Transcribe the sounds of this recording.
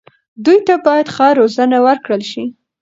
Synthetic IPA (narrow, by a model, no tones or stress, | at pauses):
d̪ujt̪abɑjad̪xɑɾozənawəɾkɽəlʃi